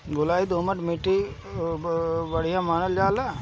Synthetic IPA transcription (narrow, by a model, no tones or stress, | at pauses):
ɡʊlaːid̪oːməʈmeʈːi | bəɽ̤ijãːmaːnəld͡ʒaːlaː